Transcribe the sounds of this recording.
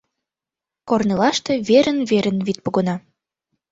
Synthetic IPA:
kornelɑʃt̪ĕβeɾənβeɾə̆nβit̪̚poɣɤ̆nɑ

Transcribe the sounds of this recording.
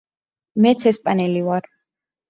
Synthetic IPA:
mɛt̪sʰɛspʼanɛlivaɾ

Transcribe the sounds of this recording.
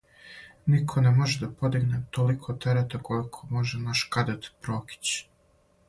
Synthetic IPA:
nikʰo̞nemoʒed̪apod̪iɡnet̪olikʰot̪eɾet̪akolikʰomo̞ʒenaʃkad̪at̪pɾoki̥t͡ɕ

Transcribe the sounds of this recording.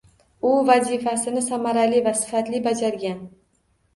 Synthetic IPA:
ʊvazifasɪnɪsamaɾalivasɪ̥fat̪lɪbad͡ʒaɾɡʲan

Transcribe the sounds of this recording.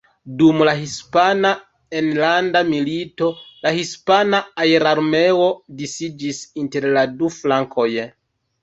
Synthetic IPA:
dumlaɦispana | enlandamilito̞lahispanaːjɾaɾme̞o̞disid͡ʒisinte̞ɾladuflaŋkʰo̞j

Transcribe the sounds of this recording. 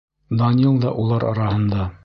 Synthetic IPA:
d̪ɑnʲilˠd̪ɑʔulˠɑɾɒɾɑhɤ̆nd̪ɑ

